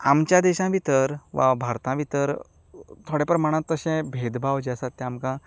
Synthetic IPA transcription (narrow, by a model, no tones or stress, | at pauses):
a̰mt͡ɕjãd̪ɛɕãʋit̪əɾʋa̰bʱaɾt̪ãʋit̪əɾ | t̪ʰoɽjapɾəməɽ̃ãt̪ːəɕɛ̃bʱed̪bʱawd͡ʑɛsat̪ːɛamkã